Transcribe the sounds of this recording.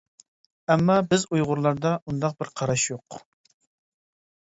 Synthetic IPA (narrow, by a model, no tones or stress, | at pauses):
ɛmːɑbɪzujʁʊɾlˠɑɾd̪ɑʔund̪ɑq̚bɪɾqʰɑɾɑʃjoq